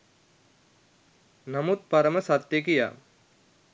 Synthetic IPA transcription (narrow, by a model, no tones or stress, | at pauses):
nɐmut̪̚pɐɾəməsat̪ːjek̬ija̰